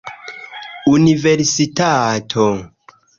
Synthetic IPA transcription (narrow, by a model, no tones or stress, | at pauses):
univeɾsitatʰo